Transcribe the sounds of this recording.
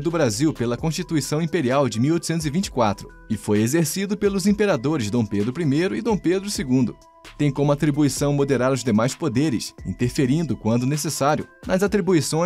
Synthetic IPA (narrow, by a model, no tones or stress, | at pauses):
d̪ʊbɾaziwpelɐkõst͡ʃit̪uisɐ̃w̃ĩpeɾiawd͡ʒɪmiwojt̪usẽt̪ʊzɪvĩnt͡ʃɪ̥kwat̪ɾʊ | ɪfojezeɾsid̪ʊpelʊzĩpeɾad̪oɾɪzd̪õw̃ped̪ɾʊpɾimejɾʊɪd̪õw̃ped̪ɾʊseɡũnd̪ʊ | t̪ẽj̃kõmʊat̪ɾibuisɐ̃w̃mod̪eɾaɾʊzd̪emajspod̪eɾɪ̰sḭ̃nt̪eɾfeɾĩnd̪ʊkwɐ̃nd̪ʊnesesaɾjʊ̰nɐzat̪ɾibuisõ